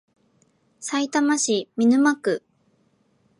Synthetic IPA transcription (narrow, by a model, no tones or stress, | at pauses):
sait̪amaɕimʲinɯ̟makɯ̟